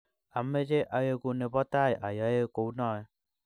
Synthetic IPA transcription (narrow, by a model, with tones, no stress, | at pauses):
a˨mːe˦d͡ʒe˦ʔa˨je˦ku˨˧ne˨bɔ˦t̪a˦˨jʔa̰˨ja˦je˦ko˨wnɔ˦˨˦